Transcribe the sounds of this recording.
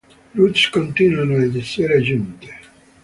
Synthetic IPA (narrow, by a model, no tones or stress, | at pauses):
lutskont̪inuanoed̪iseːɾad͡ʒunt̪e̥